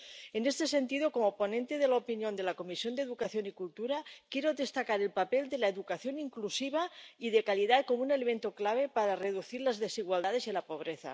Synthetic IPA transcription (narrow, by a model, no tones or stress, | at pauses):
enest̪e̞se̞nt̪iðokomopo̞nent̪eð̞elaopinjo̞nd̪e̞lakomisjo̞nd̪eðukaθjo̞nikult̪uɾakjeɾoðest̪akaɾelpapeld̪elaeðukaθjo̞niŋklusiβ̞aiðekalið̞at̪̚komunelement̪oklaβ̞epaɾareðuθiɾlazðesiɣwald̪að̞e̞zelapo̞β̞ɾeθa̰